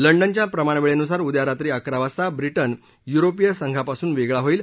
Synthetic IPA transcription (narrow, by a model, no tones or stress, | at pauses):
ləɳɖənt͡ɕjapɾəmaɳ̃ʋeɭeənus̬aɾud̪jaɾat̪ɾiːakɾaʋast̪abɾiʈən | juɾopijəsəŋɡʱapasuːnʋeɡɭaɦoiːl